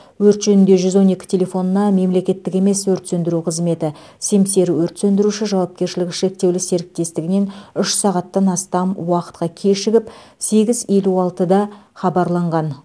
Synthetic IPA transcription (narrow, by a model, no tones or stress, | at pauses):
wɵɾt̪ʒɵnɪnd̪e̞ʒʏzwo̞ne̞kʲɪ̥t̪ʰʲe̞le̞fo̞nənɑme̞mle̞kʲe̞t̪ːɪk̬ʲe̞me̞swɵɾt̪sɵnd̪ɪɾuqʰəzme̞t̪ɪ | se̞mse̞ɾɪwɵɾt̪sɵnd̪ɪɾuʃɪʒɑwɑp̚kʲe̞ɾʃɪlɪkʲɪʃe̞k̚t̪e̞wlɪse̞ɾɪk̚t̪e̞st̪ɪɡʲɪne̞nʏʃsɑʁɑt̪ːɑnɑst̪ɑmwɑqə̥t̪qɑkʲʰeʃɪɡʲɪpse̞ɡʲɪze̞luɑlˠt̪əd̪ɑχɑbɑɾlˠɑɴʁɑn